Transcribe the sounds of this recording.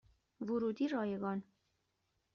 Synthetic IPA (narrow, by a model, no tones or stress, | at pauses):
vuɾud̪iɾɑjɛɣɑn